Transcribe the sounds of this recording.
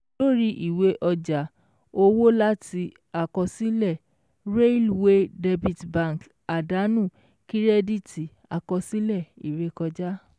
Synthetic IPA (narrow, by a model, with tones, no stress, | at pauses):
lo˦ɾi˧ʔi˨we˨˦ʔɔ˧d͡ʒa˨˦ | o˧wo˦la˦ti˧ | a˧kɔ˧si˦lɛ˦˨ | ɾe˦lwe˦de˧bi˨tbã˦˧˨k | a˨da˨˦nũ˦˨ | ki˦ɾɛ˦di˦ti˧ | a˧kɔ˧si˦lɛ˦˨i˨ɾe˧˦kɔ˧d͡ʒa˦